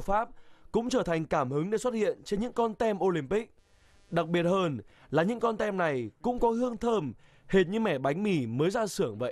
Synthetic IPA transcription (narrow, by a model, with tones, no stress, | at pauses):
faː˦˥p̚kʊ̰˧˥ŋ͡mt͡ɕəː˧˩t̪ʰa˨˩jŋ̟kaː˧˩mhɨ˨˦ŋɗe˧˩swə˦˥t̚hḭ˧˨ənt͡ɕe˧nɲɨ̰˧˥ŋkɔ˧nt̪ɛ˧mʔo˧li˧˩mpï˦˥k̚ | ɗa˨˩k̚ɓi˨˩ət̚həː˧n | laː˨˩ɲɨ̰˧˥ŋkɔ˧nt̪ɛ˧mna˨˩jkʊ̰˧˥ŋ͡mkɔ˨˦hɨ˧əŋt̪ʰəː˧m | he˨˩t̚ɲɨ˧˥mɛ˧˩ɓa˨˦jŋ̟mi˧˩məː˨˦jzaː˧sɨ˧˩əŋvə̰˧˨j